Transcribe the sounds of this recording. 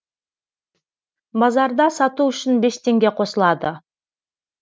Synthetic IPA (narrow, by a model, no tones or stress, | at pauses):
bɑzɑɾd̪ɑsɑt̪uʏʃɪnbe̞st̪ʰe̞ŋɡʲe̞qʰo̞səlˠɑd̪ə